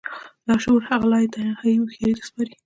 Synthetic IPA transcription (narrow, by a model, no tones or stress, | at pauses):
lɑʃoɾhaɣalɑjt̪ajhajixeɾit̪ḁspɑɾi